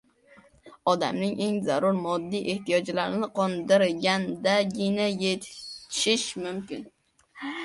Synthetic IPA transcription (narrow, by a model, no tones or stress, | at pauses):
ɒd̪a̰mnɪŋʔe̞ŋzaɾʊɾmɒd̪ːijʔe̞ht̪ijɒd͡ʒlaɾɪnɪqʰɒnd̪ɪɾɡʲand̪aɡʲɪnajet̪ʃɪʃmʊmkʲɪn